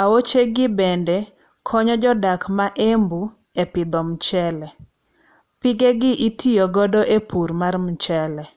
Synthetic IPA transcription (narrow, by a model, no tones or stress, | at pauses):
awot͡ʃeɡɪbɛndɛ | kʰɔɲɔd͡ʒɔdakmaʔembu | epɪd̪ɔmt͡ʃɛlɛ | pɪɡeɡɪʔitʰijoɡɔdɔʔepuɾmarmt͡ʃɛlɛ